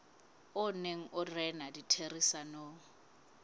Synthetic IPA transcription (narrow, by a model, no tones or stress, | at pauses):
ʊneŋ̩ʔʊrɛnaditʰerisano